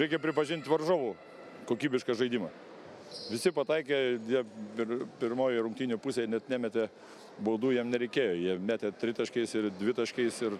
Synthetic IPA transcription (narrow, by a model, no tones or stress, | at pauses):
ɾʲɛɪkʲɛpʲɾʲɪpɐʒʲɪnʲt̪ʲʋɐrʒoːʋuː | koːkʲiːbʲɪʃkɐʒɐɪd̪ʲiːmɐ | ʋʲɪsʲɪpɐt̪ɐɪk̬ʲeːd̪ʲiɛpʲɪɾpʲɪɾmoːjɛɾʊŋk̚t̪ʲiːnʲʊpusʲeːnʲɛt̪nʲæːmʲɛt̪ʲeː | boːd̪uːjiɛmnʲɛɾʲɛɪkʲeːjoːjiɛmʲæːt̪ʲet̪ʲɾʲɪt̪ɐʃʲkʲɛɪsɪrd̪ʲʋʲɪt̪ɐʃʲkʲɛɪsɪr